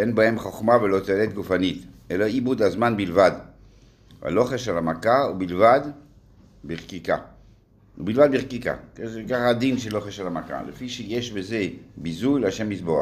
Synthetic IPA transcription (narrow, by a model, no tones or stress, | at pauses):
enbahemχoχmavelo̞t̪eelet̪̚ɡufanit̪ | elaibud̪azmanbilvad̪ | va̰loχeʃalamakaubilvad̪ | beʁkika̰ | ubilvad̪̚biʁkika̰kezekaχad̪inʃelːoχeʃalamaka̰lefiʃejeʃbeze̞bizujlaʃemisboa̰χ